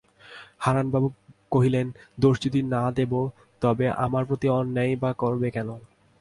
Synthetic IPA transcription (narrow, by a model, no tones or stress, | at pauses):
haɾanbabukoɦilend̪oʃd͡ʑut̪inad̪ebo | t̪ɔbeʔa̰maɾpɾot̪iɔnːajbakɔɾbekɛno